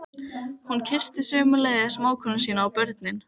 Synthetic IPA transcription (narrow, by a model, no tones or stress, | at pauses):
huncʰɪst̪ɪsœːmʏlɛːɣasmaːwkʰœnːʏsiːnaːwpœɾt̪nɪn